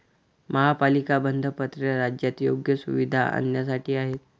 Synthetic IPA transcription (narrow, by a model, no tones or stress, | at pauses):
məɦapalikabənd̪ʱəpət̪ɾəɾad͡ʑjat̪jo̰ɡjəsuʋid̪ʱa̰a̰njasaʈʰiːaɦet̪